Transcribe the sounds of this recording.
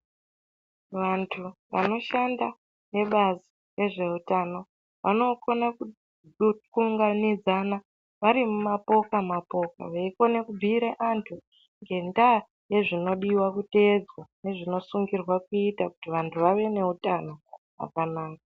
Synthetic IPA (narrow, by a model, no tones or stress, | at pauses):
ʋantʰuʋa̰no̞ʃanda | ne̞ɓazi | re̞ʐe̞utano̞ | ʋa̰no̞ko̞na | kuŋɡanid͡zana | ʋaɾimumapo̞kamapo̞ka̰ʋaiko̞ne̞kub͡vʱiːɾeʔantʰu | ŋɡe̞nda | je̞ʐino̞ɗiwakute̞d͡zwane̞ʐino̞suŋɡirwakuitaku̥tiʋantʰuʋaʋe̞ne̞utano̞ɦa̰kanaːka